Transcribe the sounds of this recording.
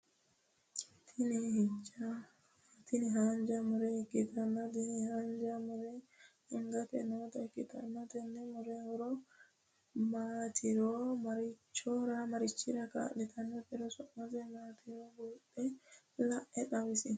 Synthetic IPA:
tʰinihid͡ʒa | tiniɦaɲd͡ʒamuɾɛkitanːadinihaɲd͡ʒamuɾɛ | iŋɡatɛnɔtakita̰natɛnːɛmuɾɛɾɔ | matʰiɾɔmaɾit͡ʃːɔɾamaɾit͡ʃːiɾaka̰ɗɛtʰanːapɛɾɔsɔʔatɛmatʰiɾɔɡɔɗɛ | laʔɛɗawisi

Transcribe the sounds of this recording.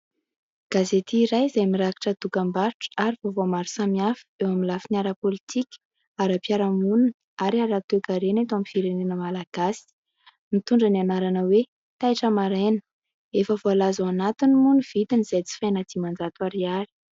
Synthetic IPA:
ɡ̥azet̪iːɾajzajmiɾaki̥ʈ͡ʂəd̪̥ukambaɾʈ͡ʂə̥aɾivovomaɾisamiafi̥ewaminlafinaɾəpolit̪ikʲə̥ | aɾapjaɾamunə | aɾiaɾat̪ekaɾenat̪oamifiɾenenəmalaɡ̥asi̥ | mit̪uɳɖ͡ʐənanaɾanəwe | t̪ajʈ͡ʂəmaɾenə̥ | efəvoalazaanat̪inimuniv̥it̪iniz̥ajt͡si̥fajnəd̪imand͡zat̪waɾiaɾi̥

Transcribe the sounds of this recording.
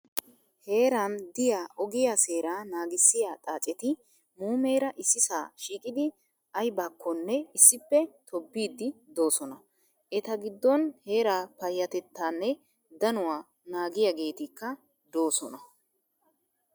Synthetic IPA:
he̞ːɾɐnd̪ɪjaːʔɔɡɪjaːse̞ːɾaːnaːɡɪsːɪjaːt̪ʼaːt͡ʃʼɛt̪ɪ | muːmeːɾɐʔɪsːɪsaːʃiːkʼɪd̪ɪ | ɐjbaːkʰːɔnːɛɪsːɪpːɛt̪ʰɔbːiːd̪ɪd̪o̞ːsɔnɐ | ʔɛt̪ɐɡɪd̪ːɔnhe̞ːɾaːpɐjːɐt̪ɛt̪ːaːnːɛ | d̪ɐnʊwaː | naːɡɪjaɡe̞ːt̪ɪkːɐ | d̪o̞ːsɔnɐ

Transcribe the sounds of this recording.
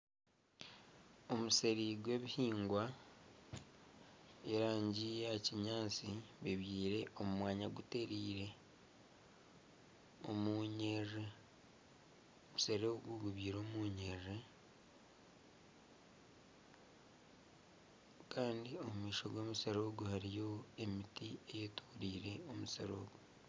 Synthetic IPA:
o̞muse̞ɾiɡwe̞ːβihiːŋɡwa | eɾaːɲɟijaciɲaːt͡siβiβjiːɾe̞ʔomumwaːɲaɡute̞ɾiːɾe̞ | omuɲeʒe | omuseɾoːɡuɡuβiːɾoːmuːɲeʒe | kaːndio̞mumiːʃo̞ɡo̞ːmuseɾo̞ːɡuhaɾijo̞emitiejetu̥ːɾiːɾe̞omuseɾo̰ːɡu

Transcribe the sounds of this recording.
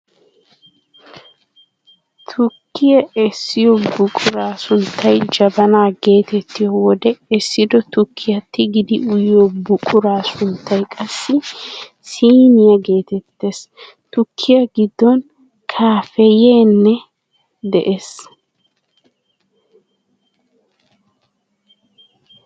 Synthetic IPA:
t̪ʰʊkːɪjɐʔɛsːɪjɔbʊkʼʊɾaːsʊnt̪ʰːɐjd͡ʒɐbɐnaːɡe̞ːt̪ɛt̪ːɪjɔwɔd̪ɛɛsːɪd̪ɔt̪ʊkʰːɪjɐt̪ːɪɡɪd̪ɪʊjɪjɔbʊkʼʊɾaːsʊnt̪ʰːɐjkʼɐsːɪ | siːnɪjɐɡe̞ːt̪ɛt̪ːes | t̪ʊkʰːɪjɐɡɪd̪ːɔn | kʰaːfɛjeːnːɛ | d̪ɛʔes

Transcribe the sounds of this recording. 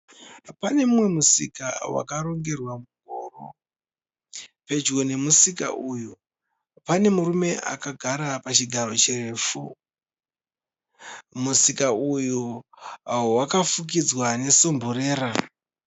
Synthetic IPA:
pane̞mumwe̞musḭka̰wa̰kaɾo̞ŋɡe̞rwamuɡʱoːro | pe̞d͡ʒɡo̞ne̞musika̰ʔuju | pane̞murume̞ʔa̰kaɡʱaɾapat͡ʃiɡʱaɾo̞t͡ʃireːfu | musikaujuawakafuk̬id͡zwane̞so̞mbure̞ːɾa

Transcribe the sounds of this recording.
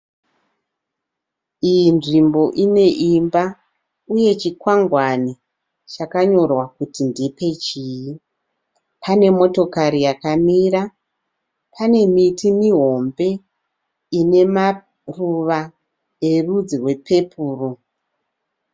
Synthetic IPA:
ijinʐimbo̞ʔine̞ʔimba | uje̞t͡ʃikwaŋɡwani | t͡ʃakaɲo̞rwakutindipe̞t͡ʃiːji | pʰane̞mo̞to̞kaɾijakamiɾa | pʰane̞mitʰimiɦo̞mbe̞ | ine̞ma | ruʋa | e̞rud͡zirwe̞pʰe̞pʰuːru

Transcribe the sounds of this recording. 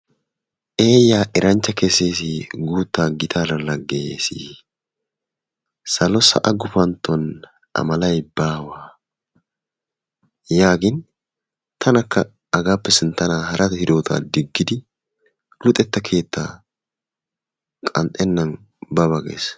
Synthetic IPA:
ʔe̞ːjaːʔɪɾɐnt͡ʃːɐkese̞ːsiɡuːt̪ːaːɡɪt̪ʰaːlɐlɐɡːeːsḭ | sɐlɔsɐ̰ʔɐɡʊfɐnt̪ːɔn | ʔɐ̰mɐlɐjbaːwaː | jaːɡɪn | t̪ʰɐnɐkːɐ | ɐɡaːpːɛsɪnt̪ɐnaːhɐɾʔɐt̪hɪd̪o̞ːt̪ʰa̰ːd̪ɪɡːɪd̪ɪ | lʊt̪ʼɛt̪ːɐkʰe̞ːt̪ʰːa̰ː | kʼɐ̰nt̪ʼɛnːɐn | bɐbɐɡḛːs

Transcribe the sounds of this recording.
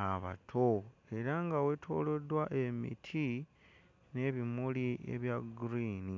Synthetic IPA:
aβa̰tʰoe̞ɾaŋɡawe̞tʰo̞̰ːlo̞dwaʔe̞mḭtʰi | ne̞βimuliʔḛβjaɡuɾiːni

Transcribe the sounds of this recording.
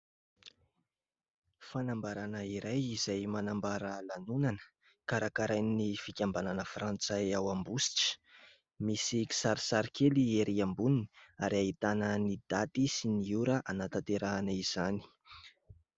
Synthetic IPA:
fanambaɾanəiɾajizajmanambaɾəlanunanə̥ | kaɾakaɾajnnifikʲambananəfrant͡sajawambusi̥ʈ͡ʂə̥ | misiki̥saɾisaɾikʰelieɾiambuniniaɾiait̪anənid̪̥at̪isiniuɾəʔanat̪at̪eɾanaiz̥ani̥

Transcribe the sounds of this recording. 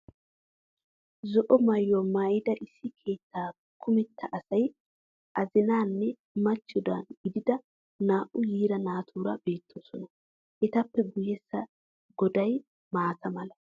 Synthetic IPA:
zɔʔɔmɐjːɔmaːjɪd̪ɐʔɪsːɪkʰe̞ːt̪ːaː | kʰʊmɛt̪ʰːɐʔɐsɐj | ʔɐzɪnaːnːɛ | mɐt͡ʃːɔd̪anɡɪd̪ɪd̪ɐ | naːʔʊjiːɾɐnaːt̪ʰuːɾɐ̰be̞ːt̪ʰːɔnsɔnɐ | ʔɛt̪ɐpːɛɡʊjɛsːɐ | ɡɔd̪ɐj | maːt̪ɐmɐlɐ

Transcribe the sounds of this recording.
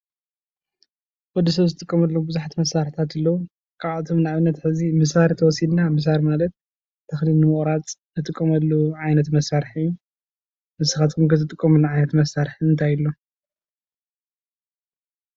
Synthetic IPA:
wɔd̪isɐβzɨt̪ʼɨkʼːɐmɐlːobɨzuħat̪ʰimɐsːaɾħt̪ʰat̪ɨlːɐwu | kʰaβat̪ʰomnɨaβɨnːɐt̪ħɨzimɨs̬aɾit̪ʰɐwɔsid̪namɨs̬aɾimalɐt̪̚ | t̪ʰːɐxlilnɨmɨχʼɾat͡sʼnɨt̪ʼɨkʼːɐmɐlːoʕajnɐt̪mɐsaɾħiu | mɨsɨxat̪kʰumkʰɐt̪ɨt̪ʼɨkʼːɐmɐlːaʕajnɐt̪mɐsaɾħiɨnt̪ʰajɨlːo̞

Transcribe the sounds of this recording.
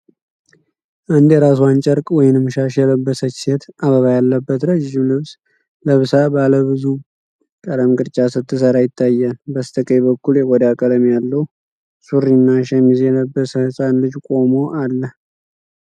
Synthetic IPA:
ʔɨnd̪jɛɾasuant͡ʃʼəɾkʼwɔjɪnɨmʃaʃjɛləbːəsət͡ʃːset̪aβəβajalːəbːət̪ɾəd͡ʒd͡ʒɪmlɨβs | ləβɨsabaləβɨzu | kʼəd̪əmkʼɨɾt͡ʃʼasɨt̪ʰːɨsəɾajɪt̪ʰːajːanbəst̪ʰəkʼəjbəkːuljɛɡɔd̪akʼəd̪əmjalːəw | suɾːinːaʃɛmizjɛləbːəsəhɨsʼanlɨd͡ʒkʼo̞mo̞ʔalːəh

